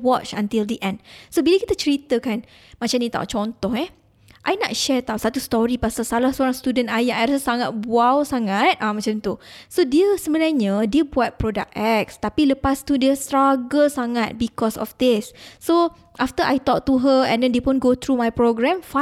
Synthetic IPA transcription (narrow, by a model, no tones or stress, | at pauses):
wɔt͡ʃãnt̪ildiʔɛ̃ndsobiləkit̪at͡ʃəɾit̪əkan | mat͡ʃamnĩt̪a̰wt͡ʃɔnt̪ɔhɛ | ʔajna̰t̪̚ʃɛt̪awsat̪ust̪ɔɾipasasalahsooɾaŋst̪udə̃najaʔajɾasəsaŋat̪̚buawsaŋat̪̚ʔãmãt͡ʃamt̪usodiəsəmənaɲə̃diəbuat̪̚pɾoda̰k̚ɛk̚st̪apiləpast̪udiəst̪ɾaɡəsaŋat̪̚bikɔsɔ̰fd̪ɪsːo | ʔaft̪əʔajt̪ɔk̚t̪uɦəɛ̰̃ndɛ̃ndeəpʊnɡot̪ɾumajpɾoɡɹɛ̃mfa